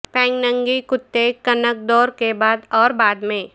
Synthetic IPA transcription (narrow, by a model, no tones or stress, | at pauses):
pɛ̃ːŋknə̃ŋɡikʊt̪ːekənək̚d̪ɔːɾkebaːd̪ɔːɾbaːd̪mẽː